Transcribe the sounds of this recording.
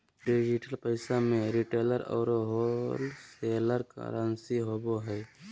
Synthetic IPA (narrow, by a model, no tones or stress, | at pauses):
ɖid͡ʒɪʈəlpəɪsamẽɾiʈeːləɾɔ̰ːɾoɦolseːləɾka̰ɾaːnsiɦoːboɦɛː